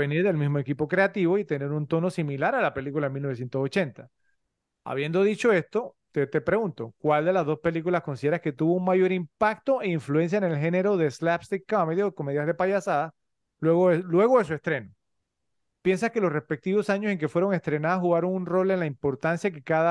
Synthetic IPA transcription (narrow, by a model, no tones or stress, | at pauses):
eniɾðe̞lmizmo̞e̞kipokɾe̞at̪iβo̞it̪ene̞ɾunt̪o̞no̞similaɾalape̞likulaemilno̞e̞s̬je̞nt̪osot͡ʃe̞nt̪a | a̰β̞je̞nd̪o̞ð̞it͡ʃo̞e̞st̪o̞t̪et̪epɾe̞ɣunt̪o̞kwald̪e̞lazðospe̞likulaskonsiðeɾaske̞t̪uβouŋmaʝo̞ɾimpak̚t̪o̞ʔeiɱflue̞ns̬jaene̞lxe̞ne̞ɾo̞ðe̞slapst̪ikːameðjoeko̞me̞ðjazðe̞paʝasaða | leɣolwe̞ɣoðes̬ue̞st̪ɾe̞no | pje̞nsaske̞lo̞sre̞spe̞k̚t̪iβo̞saɲose̞ŋk̬e̞fwe̞ɾo̞ŋe̞st̪ɾenaðasxuɣaɾo̞ŋunro̞lenlaimpo̞ɾt̪ansjakekaða